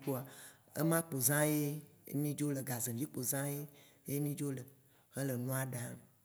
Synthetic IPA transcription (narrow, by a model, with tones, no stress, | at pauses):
ko˦a˨ | ə̰˦mã˦k͡po˨zã˦jḛ˦mĩ˦d͡ʒo˦lə˨ɡa˨zẽ˨vi˦k͡po˨zã˦je˦ | je˦mĩ˦d͡ʒo˦lə˨ | ɣə˦lə˨nũ˦a˦ɖa˨m˨